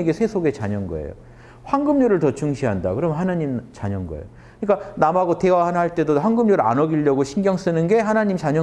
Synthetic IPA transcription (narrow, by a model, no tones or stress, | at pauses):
eɡesʰe̞sʰoɡe̞t͡ɕaɲʌnɡʌ̰ḛjo̰ | ɸwaŋɡɯmɲoɾɯɭtʌt͡ɕuŋɕʰiɦanda̰kɯɾʌmjʌnɦanaɲimt͡ɕaɲʌnɡʌḛjo | kɯɲik͈anamaɡote̞waɦanhaɭt͈e̞doɸwaŋɡɯmɲoɾɯa̰nʌɡiʎːʌɡoɕʰinɡjʌŋs͈ɯnɯnɡe̞ɦanaɲimt͡ɕaɲʌ